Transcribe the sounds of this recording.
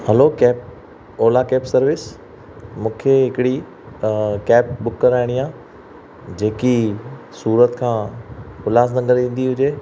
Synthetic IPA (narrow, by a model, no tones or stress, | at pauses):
hɛlokɛːp̚ | oːlakɛːpsɐɾʋɪs | mũːkʰeɦɪkɪɽi | kɛːp̚bʊkːəɾaːɪɽ̃iaː | d͡ʑeːki | suːɾət̪kʰãːxʊlaːs̬nɐ̃ŋɡəɾĩːn̆d̪iɦʊd͡ʑeː